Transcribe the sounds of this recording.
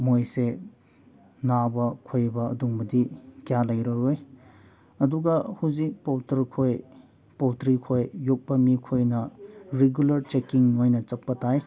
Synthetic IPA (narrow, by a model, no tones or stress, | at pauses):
mojse | nabɐkʰojbɐɐ̰duŋbɐdikijalɐjɾɐɾoj | ɐduɡɐhuzipowtɐɾkʰoj | powtɾikʰojːuk̚pɐmikʰojnɐɾeɡjulɐɾt͡ʃekiŋnojnɐt͡ʃɐk̚pɐtaj